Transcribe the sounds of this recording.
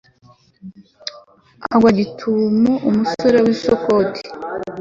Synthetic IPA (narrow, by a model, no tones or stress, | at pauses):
aɡwaɟitʰumuʔumusoɾewisokotʰi̥